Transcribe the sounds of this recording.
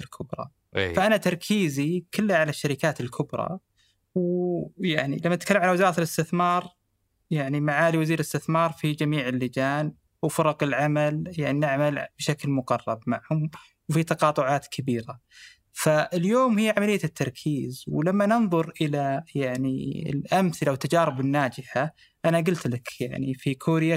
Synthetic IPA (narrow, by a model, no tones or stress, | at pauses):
lkʰʊbɾˤɑ̰ | faʔanat̪ɑɾˤkʰiːzikʊlːaʕalaʃːaɾɪkaːt̪ɪlkʰʊbɾˤɑ̰ | wjaʕnḭlamːanɪt̪kalːamʕalawɪzɑːɾˤɑt̪lɪst̪ɪθmɑːɾˤ | jaʕnimaʕaːliwaziːɾɪlɪst̪ɪθmɑːɾˤfid͡ʒamiːʕɪlːɪd͡ʒaːn | wfʊɾˤɑqɪlʕamaljaʕninɪʕmalb̥ʃaklmʊqɑrˤːɑbmaʕhʊm | wfit̪ɑqɑːt̪ˤʊʕɑːt̪kʰabiːɾa | faɪljoːmhɪjːʕamalɪjːat̪ʰːɑɾˤkʰiːzwlamːanɨnðˤʊɾʔɪlajaʕnḭɪ̰lʔamθɪlawɪt̪ːad͡ʒɑːɾɪbɪnːaːd͡ʒɪħa | ʔanaɡʊlt̪lakja̰ʕnifikʰuːɾja